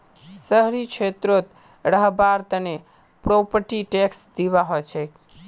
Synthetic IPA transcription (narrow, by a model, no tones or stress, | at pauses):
səɦɾit͡ʃʰet̪ɾot̪ | ɾəɦbaɾt̪əne | pɾopəɾʈiʈeksd̪iβaɦot͡ʃʰɛk